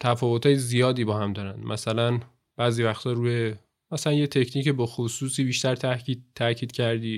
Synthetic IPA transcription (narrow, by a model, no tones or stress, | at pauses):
t̪ʰæfɒːvot̪ʰhɒːjezijɒːd̪iːbɒːhæmd̪ɒːɾænd̪̥mʔæsælæn | b̥æːziːvæxt̪ʰɒːɾuːje | mæsælænje̞t̪ʰe̞cʰniːcebɒːxosuːsiːbiːʃt̪æɾt̪ʰæit̪ʰːæcʰiːd̪̥cʰæɾd̪iː